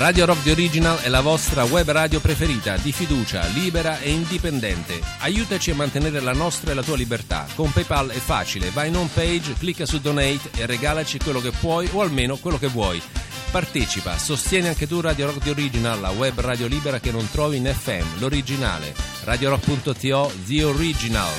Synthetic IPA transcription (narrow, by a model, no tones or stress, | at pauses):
raːd̪joɾɔk̚d̪ioɾid͡ʒinalɛlavɔst̪ɾawɛbːraːd̪jopɾefeɾiːt̪ad̪ifid̪uːt͡ʃa̰liːbeɾaeind̪ipend̪ɛ̰nt̪eajuːt̪at͡ʃiamːant̪eneːɾelanɔst̪ɾaelat̪uːalibert̪a̰kompɛjpalɛfːa̰ːt͡ʃilevajnompejd͡ʒklikːasud̪onɛjt̪erːeɡaːlat͡ʃikwelːokepːwɔjoalmeːnokwelːokevːwɔj | part̪eːt͡ʃipa̰sost̪jɛːniaŋk̟et̪urad̪joɾɔkd̪ioɾid͡ʒinalːawɛbːraːd̪joliːbeɾak̟enːont̪ɾɔːviːnɛfɛ̰mːloɾid͡ʒina̰ːlḛ | rʔad̪joɾɔk̚punt̪ot̪iɔd̪ioɾid͡ʒina̰l